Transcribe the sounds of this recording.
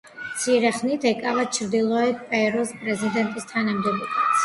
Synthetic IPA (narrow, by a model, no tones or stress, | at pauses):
t̪sʰiɾɛχnit̪ʰɛkʼavat͡ʃʰɾd̪ilˠɔɛpʼɛɾɔspʼɾɛzid̪ɛnt̪ʼist̪ʰanamd̪ɛbɔbʰas